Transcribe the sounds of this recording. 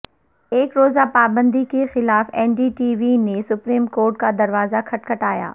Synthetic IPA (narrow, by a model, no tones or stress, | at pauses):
eːkɾoːzapaːbə̃nd̪ikexɪlaːfɛːnɖiʈiːʋinesʊpɾiːmkoːɾʈ̚kad̪ɐɾʋaːzakʰɐʈkʰɐʈaːja̰ː